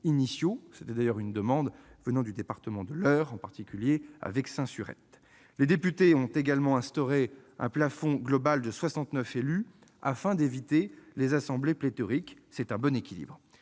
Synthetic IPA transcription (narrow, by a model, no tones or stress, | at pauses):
inisjose̥t̪ɛd̪ajœʁynd̪əmɑ̃d̪vənɑ̃d̪yd̪epaʁt̪əmɑ̃d̪əlœʁɑ̃paʁt̪ikʲyljea̰vɛksɛ̃syʁɛ̰t̪ | led̪epyt̪eɔ̃t̪eɡalmɑ̃ɛ̃st̪ɔʁeɛ̃plafɔ̃ɡlɔbald̪əswasɑ̃t̪nœfely | a̰fɛ̃d̪evit̪elezasɑ̃bleplet̪ɔʁiksɛt̪ɛ̃bɔnekʲilḭbʁ